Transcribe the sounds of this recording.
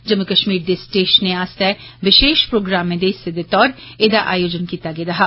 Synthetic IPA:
d͡ʒɐmːukəʃmiːɾd̪esʈeːʃənẽaːst̪ɛʋɪʃeːʃpɾoːɡɾaːmːẽd̪esed̪et̪ɔːɾeːd̪aʔaːjoːd͡ʒənkiːt̪aɡeːd̪ɐɦaː

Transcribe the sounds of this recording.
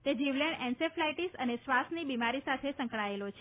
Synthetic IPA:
t̪ed͡ʒiʋleɳɛnseflajʈisənesʋasnibimaɾisat̪ʰesə̃ŋkɭaelot͡ʃʰe

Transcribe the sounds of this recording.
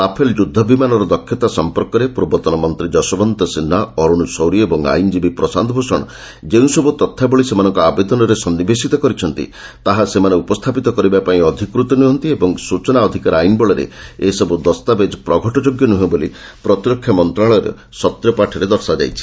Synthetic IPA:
apʰeld͡ʒud̪ʱːɔbimanɔɾɔd̪ɔkʰjɔt̪asɔmpɔɾkɔɾepuɾbɔt̪ɔnɔmɔnt̪ɾid͡ʒɔsɔbɔnt̪ɔsinːaɔɾuɽ̃usɔwɾiɔebɔŋa̰jnd͡ʒibipɾɔsand̪ʱɔbʱosɔɽ̃ɔ | d͡ʒeũsɔbut̪ɔt̪ʰːabɔɭisemanɔŋkɔabed̪ɔnɔɾesɔnːibesit̪ɔkɔɾit͡ʃʰɔn̪t̪ḭt̪aɦasemaneupɔst̪ʰapit̪ɔkɔɾibapaĩɔd̪ʱikɾut̪ɔnuɦɔnt̪iebɔŋsut͡ʃɔnaɔd̪ʱikaɾajnbɔɭɔɾḛesɔbud̪ɔst̪abed͡ʒɔpɾɔɡʱɔʈɔd͡ʒoɡjɔnuɦẽbolḭ | pɾɔt̪iɾɔkʰːjɔmɔnt̪ɾaɭɔɾḛ | sɔt̪ɾjɔpaʈʰɔɾed̪ɔɾsad͡ʒa̰jt͡ʃʰi̥

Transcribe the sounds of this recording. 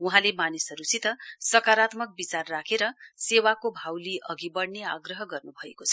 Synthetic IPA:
uɦãlemanisʌɾusit̪ʌsʌkaɾat̪mʌk̚bit͡sarːakʰeɾʌsewakobʱawliʔʌɡibʌɽneaɡrʌɦʌɡʌrnubʱʌekot͡sʰʌ̥

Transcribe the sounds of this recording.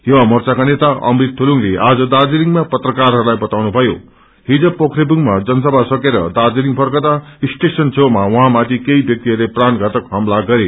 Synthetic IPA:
jʌwamʌrt͡sakanet̪aʌ̰mrit̪ʰːuluŋleʔad͡zʌd̪ard͡ziniŋmapʌt̪rʌkarɦʌɾulajbʌt̪awnubʱʌjo | ɦid͡zʌpːokʰrebuŋmad͡zʌnʌsʌbʱasʌkeɾʌ̰d̪ard͡ziniŋpʰʌrkʌt̪aisʈesʌnt͡sʰomawʌɦãmãt̪ʰikeibjʌk̚t̪iɦʌrlepranɡʱʌt̪ʌkɦʌmlaɡʌɾe

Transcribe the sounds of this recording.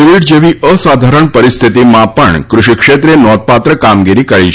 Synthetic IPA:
uʋiʈ̚d͡ʒeʋiʔəsad̪ʱaɾəɳpəɾist̪ʰit̪imãpəɳkɾʊʃikʃet̪ɾenɔd̪̚pat̪ɾəkamɡiɾikəɭit͡ʃʰ

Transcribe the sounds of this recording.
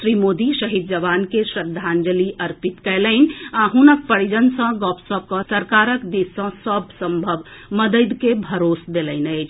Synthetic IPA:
sɾimod̪isəɦid̪̚d͡ʒəʋankesɾəd̪ʱːand͡ʒəliʔəɾpit̪kɛləɪnaɦunək̚pəɽid͡ʒənsə̃ɡɔpʰsəb̚kə̃səɾkaɾəkd̪isə̃səbʱsə̃mbʱəbməd̪əd̪kebʱəɾosd̪eləɪnəɪt͡ʃʰ

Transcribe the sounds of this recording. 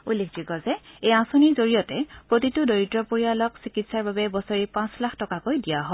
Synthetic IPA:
ulːekʰd͡ʒikɔzɛejãsoniɹzoɹijɔtɛpɹotitʊdoɹitɹɔpoɹijalɔksikitsaɹbabɛbɔsɔɹipãslaxʰtɔkakojdijaɦɔ

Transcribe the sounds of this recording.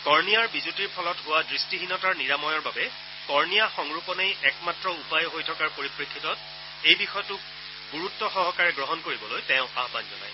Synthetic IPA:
kɔɹnijaɹbizutiɹpʰɔlɔtɦʊwadɹistiɦinɔtaɹniɹamɔjɔɹbabɛ | kɔɹnijaxɔŋɹupɔnejʔɛkmatɹɔupajɦojtʰɔkaɹpoɹipɹekʰːitɔt̚ | ejbixɔjɔtʊk̚ | ɡuɹutːɔxɔɦɔkaɹɛɡɹɔɦɔnkoɹibɔlojtɛ̃ʊ̃aɦbanzɔ̰na̰j

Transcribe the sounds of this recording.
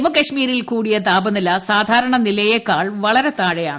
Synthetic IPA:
mɐkɐɕmiːɾilkuːɽijɐt̪aːbɐnilɐsaːd̪ʱaːɾɐɳɐnilɐjekːaːɭʋɐɭɐɾet̪aːɻejaːɳɨ

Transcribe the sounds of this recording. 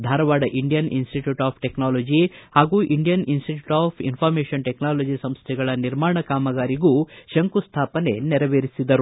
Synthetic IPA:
d̪ʱaːɾɐʋaːɖɐʔiɳɖijɐnḭnsʈiʈjuːʈaːpʰʈeknaːloːd͡ʒihaːɡuːʔiɳɖijɐninsʈiʈjuʈaːpʰinpʰaːɾmeːʃɐnʈeknaːlod͡ʒisɐmst̪ʰɛɡɐɭɐniɾmaːɳɐkaːmɐɡaːɾiɡuʃɐŋkust̪ʰaːpɐne̞nɛɾɐʋeːɾisid̪ɐɾu

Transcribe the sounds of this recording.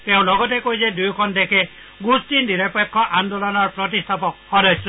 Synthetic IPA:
t̪ew̃lɔɡɔt̬ekojsed̪ujkʰɔnd̪ekʰe | ɡustindiɾepekʰːɔʔand̪olɔnɔɾpɾɔt̪ist̪ʰapɔhɔdɔsɔ

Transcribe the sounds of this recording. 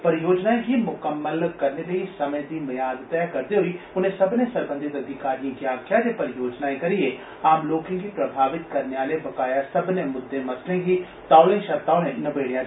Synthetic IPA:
pɐɾɪjoːd͡ʒnaẽɦimʊkəmːəlkɐɾnelɐisɐməjd̪imɐjaːd̪t̪ɐjakɐɾd̪eɦʊi | ʊn̤ɦẽsɐbnesɐɾbə̃nd̪ʱɪt̪ɐd̪ʱɪkaːɾijẽkjaːkijad͡ʒ̪epɐɾɪjoːd͡ʒnaːekɐɾie | aːmloːkẽkipɾɐbʱaːʋɪt̪kɐɾneaːlebɐkaːjasɐbnemʊd̪ʱːemɐt̪lẽɦi | t̪aːlẽʃɐɾt̪aːʊnẽnɐbeːɽja

